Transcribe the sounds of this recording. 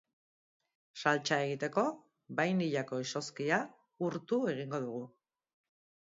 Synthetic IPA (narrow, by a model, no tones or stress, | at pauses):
salt͡ʃae̞ɣ̞it̪e̞ko̞ | bajniʎako̞iso̞skia | uɾt̪ue̞ɣiŋɡo̞ð̞uɣ̞u